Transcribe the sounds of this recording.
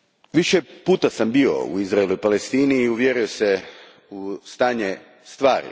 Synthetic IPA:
ʋiʃepuːt̪asambio̞̰ṵizɾaeluipalest̪iːniːuʋjeɾio̞se | ust̪aːɲe | st̪ʋaːɾḭ

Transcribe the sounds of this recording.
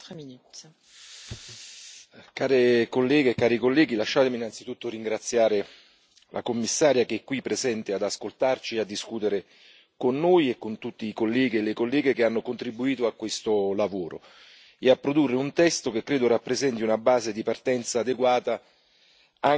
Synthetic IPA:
t̪mint̪ | kaːɾekolːɛːɡeːkaːɾikolːɛːɡilaʃːaːt̪eminːant̪sit̪ut̪ːoɾiŋɡɾat̪sːjaːɾe | lʔa̰komːisːaːɾjakeɛkːwipːɾezɛnt̪ead̪askolt̪art͡ʃiead̪ːiskuːt̪eɾe | konːoːjekːont̪ut̪ːiːkolːɛːɡielekolːɛːɡekeanːokont̪ɾibuiːt̪oakːwest̪olavoːɾo̰ | eapːɾod̪urːeunt̪ɛst̪okekːɾeːd̪orapːɾezɛnt̪iunabaːzed̪ipart̪ɛnt̪saːd̪eɡwaːt̪a | a

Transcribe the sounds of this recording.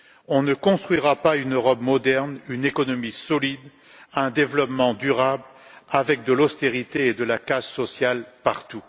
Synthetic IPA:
ɔ̃nəkɔ̃st̪χɥiʁapaynøʁɔpmɔd̪ɛʁnynekɔnɔmisɔlid̪ | ɛ̃d̪evlɔpmɑ̃d̪yʁabl | avɛk̚d̪əlɔst̪eʁit̪eːd̪əlakazsɔsjalpaʁt̪u

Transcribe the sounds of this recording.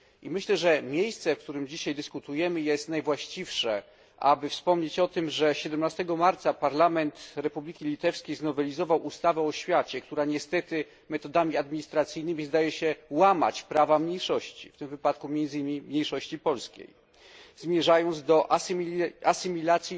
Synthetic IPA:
ʔimɘɕlɛʐɛmʲjejst̪sɛfk̚t̪uɾɘmd͡ʑiɕajd̪ɘskut̪ujɛmɘjɛst̪najvwaɕt͡ɕifʂɛ | ʔa̰bɘfspɔmɲet͡ɕɔt̪ɘmʐɛɕɛd̪ɛmnast̪ɛɡɔmaɾt̪sapaɾlamɛnt̪ɾɛpublʲikʲilʲit̪ɛfskʲejznɔvɛlʲizɔvawust̪avɛɔɕfʲjat͡ɕɛkt̪uɾaɲɛst̪ɛt̪ɘ | mɛt̪ɔd̪amʲiad̪̚mʲiɲist̪ɾat̪sɘjnɘmʲizd̪ajɛɕɛwama̰t͡ɕpɾavamɲejʂɔɕt͡ɕḭft̪ɘmvɘpat̪kumʲjɛnd̪zimʲimɲejʂɔɕt͡ɕipɔlskʲḛj | zmʲjɛʐajɔnd̪zd̪ɔʔ | asɘmʲilat̪sʲji

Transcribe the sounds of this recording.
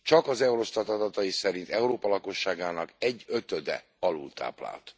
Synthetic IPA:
t͡ʃɒkɒzɛuɾo̞st̪ɒt̪ɒd̪ɒt̪ɒjisɛɾint̪ɛuɾoːpɒlɒko̞ʃːaːɡaːnɒkɛɟːø̞t̪ød̪ɛ̰ | ɒlṵlt̪ʰa̰ːpla̰ːlt̪

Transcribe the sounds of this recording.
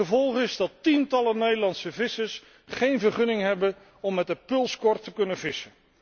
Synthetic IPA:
əvɔlˠχɪzdɑtintɑlənejdəlɑntsəvɪsəɹs | χejnvəɹχɵnɪŋɦɛbən | ɔmːɛtəpɵlˠskɔɹtəkɵnəvɪsən

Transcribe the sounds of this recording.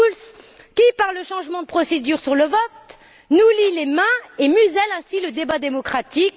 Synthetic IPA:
ls | kʲipaʁləʃɑ̃ʒmɑ̃d̪əpχɔsed̪yʁsyʁləvɔt̪ | nulilemɛ̃emyzɛlɛ̃siləd̪ebad̪emɔkχat̪ik

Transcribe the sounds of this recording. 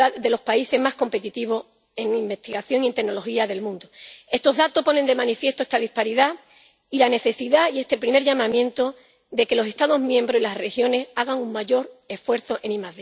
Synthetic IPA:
aðe̞lo̞hpaise̞ɦmahko̞mpe̞t̪it̪iβ̞o̞ | e̞ŋimbe̞st̪iɣaθjo̞ŋie̞nt̪e̞ɡno̞lo̞xiaðe̞lmũnd̪oe̞st̪o̞ɦðat̪o̞hpo̞ne̞nd̪e̞manifje̞st̪oe̞st̪aðihpaɾiða | ilane̞θe̞siðaie̞st̪e̞lpɾime̞ɾʝamãmjẽ̞nt̪o̞ | ðe̞ke̞lo̞se̞st̪aðo̞ɦmjẽ̞mbɾosilasre̞xjo̞ne̞saɣ̞aŋuŋmaʝo̞ɾe̞sfwe̞ɾθo̞ʔenĩmað

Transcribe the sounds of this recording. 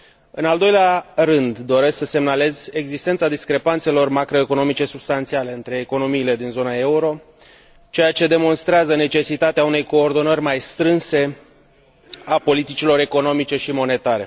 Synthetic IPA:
ɨnald̪o̞jlearɨnd̪ːo̞ɾe̞sksəse̞mnale̞ze̞ɡzist̪e̞nt̪sad̪iskɾe̞pant̪se̞lo̞rmakɾo̞eko̞no̞mit͡ʃe̞subst̪ant̪siale̞ɨnt̪ɾe̞ːko̞no̞miːle̞d̪inzo̞nae̞uɾo̞ | t͡ʃe̞jat͡ʃe̞d̪e̞mo̞nst̪ɾeazəne̞t͡ʃe̞sit̪at̪eaune̞jko̞ːrd̪o̞nərʲmajst̪ɾɨnse̞ | apo̞lit̪it͡ʃilo̞ɾe̞ko̞no̞mit͡ʃe̞ʃimo̞ne̞t̪aɾe̞̰

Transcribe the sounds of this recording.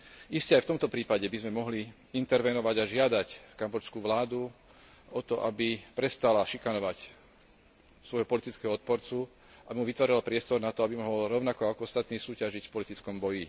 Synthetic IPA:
ʔiscɛajft̪ɔmt̪ɔpɾiːpaɟɛbizmɛmɔɦli | int̪ɛɾʋɛnɔʋaɟaʒɪad̪ackambɔt͡ʃskuːʋlaːd̪u | ɔt̪ɔʔabipɾɛst̪alaʃikanɔʋac | sʋɔjɦɔpɔlit̪it͡skɛɦɔɔt̪̚pɔɾt͡su | ʔabimuʋit̪ʋaːɾilapɾɪɛst̪ɔɾnat̪ɔabimɔɦɔɔlɾɔʊnakɔakɔɔst̪at̪niːsuːcaʒicfpɔlit̪it͡skɔmbɔji

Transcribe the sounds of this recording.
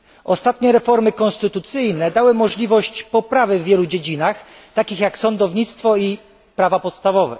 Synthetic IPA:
ʔɔst̪at̪ɲɛɾɛfɔɾmɘkɔ̃nst̪ɘt̪ut̪sɘjnɛd̪awɘmɔʐlʲivɔɕt͡ɕpɔpɾavɘvːʲjɛlud͡ʑed͡ʑinaxt̪akʲixjaksɔnd̪ɔvɲit̪st̪fɔi | pɾavapɔt̪st̪avɔvɛ̰

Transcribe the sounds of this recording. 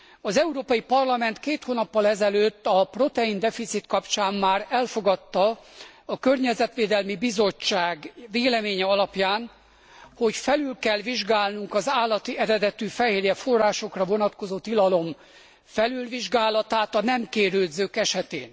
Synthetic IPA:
ɒzɛuɾoːpɒjipɒrlɒmɛnt̪keːt̪hoːnɒpːɒlɛzɛløːt̪ːɒpro̞t̪ɛind̪ɛfit̪sit̪kɒpt͡ʃaːmmaːɾɛlfoɡɒt̪ːɒɒkørɲɛzɛt̪ʋeːd̪ɛlmibizo̞t͡ʃːaːɡveːlɛmeːɲɛɒlɒpjaːn | ho̞cfɛlylkɛlʋiʒɡaːlnuŋkɒzaːlːɒt̪iʔɛɾɛd̪ɛt̪yfɛɦeːɾjɛfo̞rːaːʃo̞krɒvo̞nɒt̪ko̞zoːt̪ilɒlo̞m | fɛlylʋiʒɡaːlɒt̪aːt̪ɒnɛmkeːɾøːd̪zøːkɛʃɛt̪ḛːn

